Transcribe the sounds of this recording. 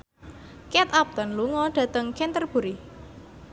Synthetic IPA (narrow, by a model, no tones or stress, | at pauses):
kɛt̪ap̚t̪ɔnluŋɔɖ̥ä̤t̪əŋkɛnt̪ərb̥ṳɾi